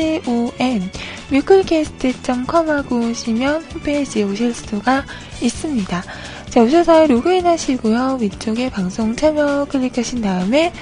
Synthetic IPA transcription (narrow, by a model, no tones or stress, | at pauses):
ioenː | jukʰɯɭikʰesʰɯ̥tʰet͡ɕ͈ʰʌmkʰʌmaɡoɕʰimjʌnɸupʰed͡ʑioɕ̬ʰʌɭsʰɯ̥tʰuɡa | is͈ɯmɲida | t͡ɕaoɕʰʌs̬ʰaɯɾoɡɯinɦaɕʰiɡojʌwit͡ɕ͈oɡe̞paŋsʰoŋt͡ɕʰʌmʌkʰɯʎːikʰʌɕʰindaɯme̞